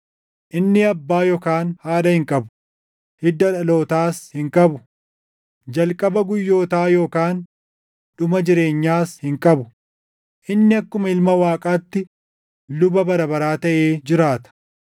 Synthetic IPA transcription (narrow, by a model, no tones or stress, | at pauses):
ʔɪnːɪɐbːaːjɔkaːnhaːᶑɐhɪŋkʼɐbʊ̥ | hɪd̪ːɐᶑɐlo̞ːt̪aːshɪŋkʼɐbʊ | d͡ʒɐlkʼɐbɐɡʊjːo̞ːt̪aːjo̞ːkaːn | ɗʊmɐd͡ʒɪɾe̞ːɲːaːshɪŋkʼɐbʊ | ʔɪnːɪɐkːʊmɐɪlmɐwaːkʼaːt̪ːɪ | lʊbɐbɐɾɐbɐɾaːt̪ɐʔeːd͡ʒɪɾaːt̪ɐ̥